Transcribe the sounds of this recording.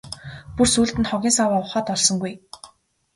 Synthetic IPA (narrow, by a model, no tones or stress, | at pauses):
pursuːɮt̪ɘ̆nχɔɣʲiːnsawaːʊχaːt̪ɔɮsɞ̆ŋɡuj